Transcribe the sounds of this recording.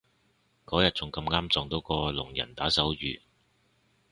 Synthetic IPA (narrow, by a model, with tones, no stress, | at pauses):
kɔː˨˥jɐ˨t̚t͡sʊ˨ŋkɐ˧mŋaː˥mt͡sɔː˨ŋt̪o˨˥wkɔː˧lʊ˨˩ŋjɐ̰˨˩nt̪aː˨˥sɐ˨˥wjy̰ː˨